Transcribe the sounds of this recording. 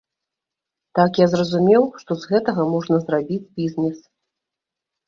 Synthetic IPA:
t̪akjazrɐzumʲɛwʂt̪ɔzɣɛt̪ɐɣɐmɔʐnɐzrabʲid͡zʲbʲizʲnʲɛs

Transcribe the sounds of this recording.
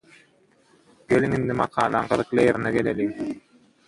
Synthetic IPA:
ɡ̥eliŋind̪imɑ̰qʰɑːlˠɑ̰ɴɢɯðɯklˠejɾinæɡelḛliŋ

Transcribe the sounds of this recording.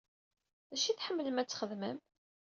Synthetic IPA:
ðæʃiθħəmːələmæt͡sːχəðməm

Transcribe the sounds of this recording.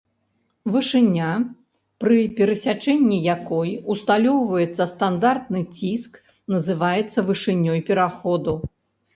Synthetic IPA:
vɨʂɨnʲa | pɾɨpʲɛɾɐsʲat͡ʂɛnʲːijakɔjust̪alʲɔwvɐjɛt̪sːɐst̪and̪art̪̚nɨt͡sʲisk | nɐzɨvajɛt̪sːɐvɨʂɨnʲːɔjpʲɛɾaxɔd̪u

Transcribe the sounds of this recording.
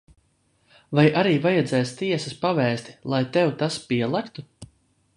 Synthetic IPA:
vajʔaɾiːvajɛd̪zɛːst̪iɛsɐspavɛːsʲt̪ʲlˠajt̪ɛwt̪aspiɛlˠakt̪u

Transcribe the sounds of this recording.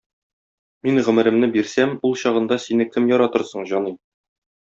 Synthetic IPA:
miŋʁɵ̆mɘ̆ɾɘ̆mnɘbiɾsæmulˠɕɒʁɤ̆nd̪ɑsinɘkɘmjɒɾɑt̪ɤ̆ɾsɤɴʑɒnim

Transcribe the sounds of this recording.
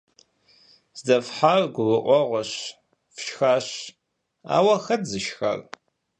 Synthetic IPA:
z̥dɐfħarɡʷʊrɨʔʷɔʁʷʊɕ | fʃxaːɕ | a̰ːwɐxɐdzɨʃxa̰r

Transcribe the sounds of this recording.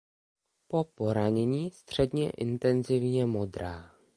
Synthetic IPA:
po̞po̞ɾaɲɛɲiːst̪r̝̥ɛdɲɛʔɪnt̪ɛnzɪvɲɛmo̞d̪ɾaː

